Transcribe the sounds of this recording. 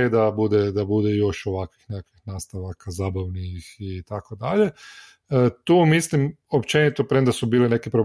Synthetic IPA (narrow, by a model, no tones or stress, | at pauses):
ed̪abud̪ɛd̪abud̪ejo̞ʃoʋakʋixnekakʋixnaːst̪aʋakazaːbaʋnixit̪akod̪aʎe̞ | t̪uːmislim | o̞pt͡ʃe̞nit̪opɾemd̪asubiːlene̞kepɾob